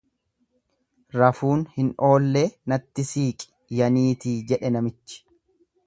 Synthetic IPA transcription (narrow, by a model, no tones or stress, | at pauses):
ɾɐfuːnhɪno̞ːlːeːnɐt̪ːɪsiːkʼɪ̥ | jɐniːt̪iːd͡ʒɛᶑɛnɐmɪt͡ʃːɪ̥